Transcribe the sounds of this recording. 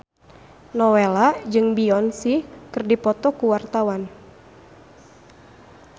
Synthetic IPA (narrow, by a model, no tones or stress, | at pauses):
nɔwelad͡ʒɨŋbiɔnsikɨrdipɔt̪ɔkuwart̪awan